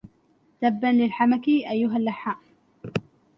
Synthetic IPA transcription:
t̪abːanlɪlħamakɪʔajːʊɦalːaħːaʔ

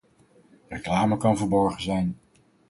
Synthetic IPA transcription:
reklaːməkɑnvəɹbɔɹχəzɛjn

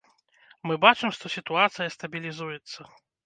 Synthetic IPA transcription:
mɨbat͡ʂɨmʂt̪ɔsʲit̪uat̪sɨjɐst̪ɐbʲilʲizujɛt̪sːɐ

